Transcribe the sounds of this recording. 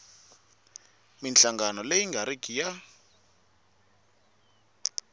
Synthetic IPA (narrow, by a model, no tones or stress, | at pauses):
minɬaŋɡanɔleiŋɡʱaɾikija